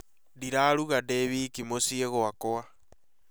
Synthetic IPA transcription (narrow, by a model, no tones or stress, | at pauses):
diɾaɾuɣadeβikimosieɣoakoa